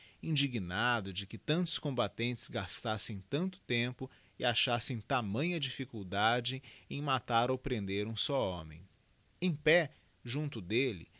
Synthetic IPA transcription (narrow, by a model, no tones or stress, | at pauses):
ĩd͡ʒiɡinad̪ʊd͡ʒɪkɪt̪ɐ̃nt̪ʊ̥skõmbat̪ẽnt͡ʃɪ̥zɡast̪asẽj̃t̪ɐ̃nt̪ʊ̥t̪ẽmpʊ | ɪaʃasẽj̃t̪amɐ̃ɲ̃ɐd͡ʒifikuwd̪ad͡ʒɪẽj̃mat̪aɾowpɾẽnd̪eɾũsɔõmḛ̃j̃ | ẽj̃pɛ | ʒũnt̪ʊd̪elɪ̰